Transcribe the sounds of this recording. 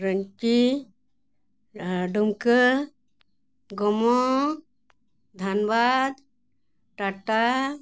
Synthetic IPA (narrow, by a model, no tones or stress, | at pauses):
ɾəŋki | ɖumkə | ɡɔmɔ | d̪ʱɐnbad̪ | ʈaʈa